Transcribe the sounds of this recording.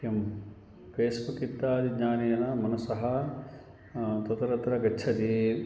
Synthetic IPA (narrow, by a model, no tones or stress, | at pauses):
jɐm | peːspɐkit̪ːaːd̪iɡɲaːnijɐnɐmɐnɐsɐɦɐ | t̪ɐt̪ɐɾɐt̪ɾɐɡɐt͡ʃʰɐd̪i